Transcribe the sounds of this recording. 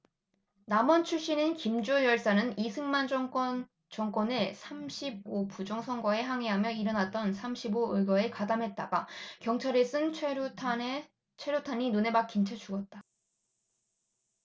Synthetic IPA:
namʌnt͡ɕʰuɭɕ͈inɯnkimd͡ʑojʌɭs͈anɯnisʰɯŋmand͡ʑkʌ | t͡ɕʌŋk͈wʌne̞sʰamɕʰib̚opud͡ʑʌŋsʰʌŋɡʌe̞ɦaŋɦeɦamjʌiɾʌnat̚t͈ʌnsʰamɕʰiboɯɡʌe̞kadamɦe̞t̚t͈aɡakjʌŋt͡ɕʰaɾes͈ɯnʰ | t͡ɕʰweɾjotʰaɲinune̞mak͈int͡ɕʰat͡ɕʰuɡʌt̚t͈a

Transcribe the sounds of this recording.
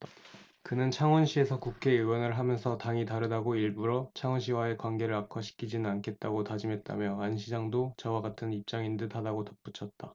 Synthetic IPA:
kɯnɯnt͡ɕʰaŋwʌnɕʰie̞sʰʌkukʰe̞ɯwʌnɯɭɦamjʌnsʰʌtaŋitaɾɯdaɡoiɭbuɾot͡ɕʰaŋwʌnɕ̬ʰiwae̞kwanɡe̞ɾɯɾakʰʌɕʰi̥kʰid͡ʑinɯnankʰe̞t̚t͈aɡotad͡ʑimɦe̞t̚t͈a̰mjʌanɕʰid͡ʑaŋdot͡ɕʌwaɡatʰɯnip̚t͡ɕ͈aŋindɯtʰadaɡotʌk̚p͈ut͡ɕʰʌt̚t͈a

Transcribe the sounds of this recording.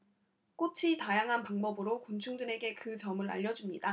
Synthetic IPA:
k͈ot͡ɕʰitajaŋɦanpaŋbʌbɯɾokont͡ɕʰuŋdɯne̞ɡe̞kɯt͡ɕʌmɯɾa̰ʎːʌd͡ʑumɲida

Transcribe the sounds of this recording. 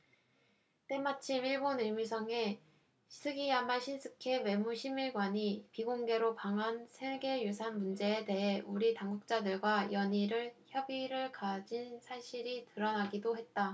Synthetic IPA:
t͈e̞mat͡ɕʰimiɭboniɭmisʰʌŋe̞ | sʰɯɡiamaɕʰinsʰɯkʰe̞we̞muɕʰimiɭɡwaɲipiɡoŋɡe̞ɾopaŋɦansʰeɡe̞jusʰanmund͡ʑe̞ːte̞ɦe̞ʔuɾitaŋɡuk̚t͡ɕ͈adɯɭɡwajʌɲiɾɯɭçjʌbiɾɯɭkad͡ʑinsʰaɕʰiɾitɯɾʌnaɡidoɦe̞t̚t͈a

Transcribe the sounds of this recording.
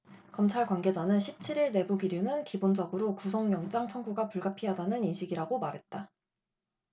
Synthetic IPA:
kʌmt͡ɕʰaɭkwanɡe̞d͡ʑanɯnɕʰip̚t͡ɕʰiɾiɭne̞buɡiɾjunɯnkibond͡ʑʌɡɯɾokusʰʌŋjʌŋd͡ʑ͈aŋt͡ɕʰʌŋɡuɡapuɭɡapʰiɦadanɯninɕʰiɡiɾaɡomaɾɦe̞t̚t͈a

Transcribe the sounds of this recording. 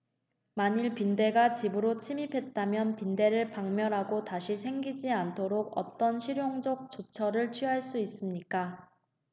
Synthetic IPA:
maɲiɭpinde̞ɡat͡ɕibɯɾot͡ɕʰimipʰe̞t̚t͈amjʌnpinde̞ɾɯɭpaŋmjʌɾɦaɡotaɕʰisʰe̞ŋɡid͡ʑiantʰoɾoɡʌ̰t͈ʌnɕʰiɾjoŋd͡ʑʌk̚t͡ɕot͡ɕʰʌɾɯɭt͡ɕʰɥiɦaɭs͈uis͈ɯmɲik͈a

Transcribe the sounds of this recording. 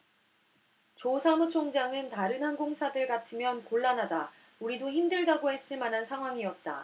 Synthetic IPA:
t͡ɕosʰamut͡ɕʰoŋd͡ʑaŋɯntaɾɯnɦhanɡoŋsʰadɯɭkatʰɯmjʌnkoɭːanɦada | uɾidoçimdɯɭdaɡohe̞s͈ɯɭmanɦansʰaŋɦwaŋiʌt̚t͈a̰

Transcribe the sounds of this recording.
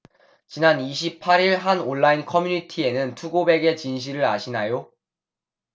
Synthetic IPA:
t͡ɕinaniɕʰipʰaɾiɭɦanoɭːainkʰʌmjuɲitʰie̞nɯntʰuɡobe̞ɡe̞t͡ɕinɕ̬ʰiɾɯɾaɕʰinajo

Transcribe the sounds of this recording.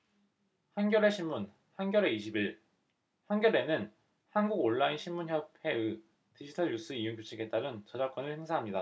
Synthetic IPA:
hanɡjʌɾe̞ɕʰimmun | hanɡjʌɾe̞iɕʰibiɭ | hanɡjʌɾe̞nɯn | hanɡuɡoɭːainɕʰinmunçjʌp̚ʰe̞ɯ | tid͡ʑʰitʰʌjus͈ʰɯijuŋkjot͡ɕʰiɡet͈aɾɯnt͡ɕʌd͡ʑaɭk͈ʌnɯɭhe̞ŋsʰaɦamɲida

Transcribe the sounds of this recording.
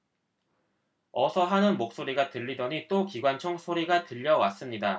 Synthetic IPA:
ʌsʰʌɦanɯnmok̚s͈oɾiɡatɯʎːidʌɲit͈okiɡwant͡ɕʰʌŋsʰoɾiɡatɯʎːʌwas͈ɯmɲida

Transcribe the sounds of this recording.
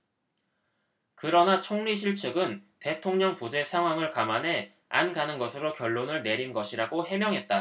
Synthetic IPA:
kɯɾʌnat͡ɕʰoŋɲiɕʰiɭt͡ɕʰɯɡɯnte̞tʰoŋɲʌŋpud͡ʑe̞sʰaŋɦwaŋɯɭkamanɦe̞ | a̰nɡanɯnɡʌsʰɯɾokjʌɭːonɯɭne̞ɾinɡʌɕʰiɾaɡoɦe̞mjʌŋɦe̞t̚t͈a

